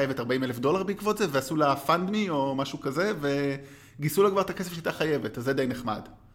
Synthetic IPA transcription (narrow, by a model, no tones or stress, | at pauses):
jevetaʁbaimelefdo̞laʁbeikvo̞tzeveasulafand̪mio̞maʃukaze̞ve̞ | ɡisulakvaʁt̪akes̬efʃeat̪aχaje̞vetazed̪ejneχma̰d